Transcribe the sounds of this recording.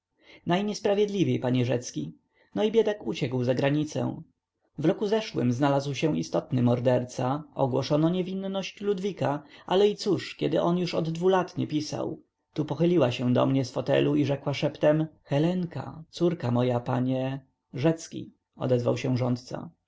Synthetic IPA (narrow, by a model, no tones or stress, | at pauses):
najɲɛspɾavʲjɛd̪lʲivʲjejpaɲɛʐɛt̪skʲi | nɔibʲjɛd̪akut͡ɕɛkwzaɡɾaɲit̪sɛ̰w̃ | vɾɔkuzɛʂwɘ̰mznalazwɕɛ̃ist̪ɔt̪nɘmɔɾd̪ɛɾt̪saɔ̰ɡwɔʂɔnɔɲevʲinːɔɕt͡ɕlud̪vʲikaʔalɛit̪suʂkʲɛd̪ɘʔɔnjuʂɔd̪ːvulat̪ɲɛpʲisa̰w | t̪upɔxɘlʲiwaɕɛ̃d̪ɔ̰mɲɛsfɔt̪ɛ̰luiʐɛkwaʂɛpt̪ɛmxɛlɛŋka̰t̪suɾkamɔjapaɲɛ | ʐɛt̪skʲḭ | ɔ̰d̪ɛzva̰wɕɛ̃ʐɔnt̪̚t̪sa̰